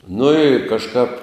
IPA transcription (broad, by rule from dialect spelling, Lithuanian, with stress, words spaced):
nʊ ɪ kɐʃˈkɑːp